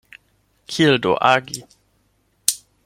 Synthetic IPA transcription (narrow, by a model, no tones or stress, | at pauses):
kʰild̪o̰ʔa̰ɡi